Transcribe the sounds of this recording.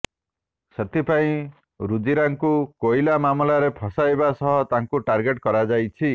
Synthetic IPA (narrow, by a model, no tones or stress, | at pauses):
set̪ipaĩ | ɾud͡ʒiɾaŋkukojlamamlaɾepʰɔsajbasɔɦɔt̪aŋkuʈaɾɡeʈkɔɾad͡ʒajt͡ʃʰi